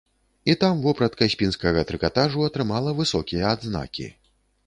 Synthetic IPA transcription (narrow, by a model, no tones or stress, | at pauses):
it̪amvɔpɾɐt̪kasʲpʲinskɐɣɐt̪ɾɨkat̪aʐuɐt̪ɾɨmalˠɐvɨsɔkʲijɐːd̪zna̰kʲḭ